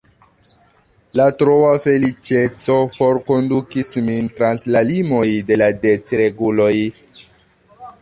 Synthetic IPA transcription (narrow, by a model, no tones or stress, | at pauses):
latɾoafe̞lit͡ʃe̞t͡so̞fo̞ɾko̞ndukismintɾanslalimo̞jde̞ladet͡sɾe̞ɡulo̞j